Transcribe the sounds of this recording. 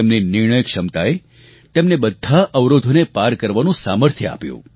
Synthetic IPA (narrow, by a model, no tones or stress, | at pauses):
emninɪɾɳ̃əjəkʂəmt̪ae | t̪emnebəd̪ʱːaʔəʋɾod̪ʱonepaɾkəɾʋanũsaməɾt̪ʰjəa̰pjṵ̃